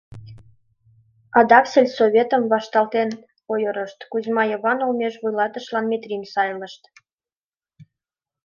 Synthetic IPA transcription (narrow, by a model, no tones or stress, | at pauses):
ɑd̪ɑkselʲsoβʲet̪əmβɑʃt̪ɑlt̪en | ojəɾəʃt̪kuzmɑjəβɑnolmeʃβujlɑt̪əʃlɑnmet̪rʲinʲsɑjləʃt̪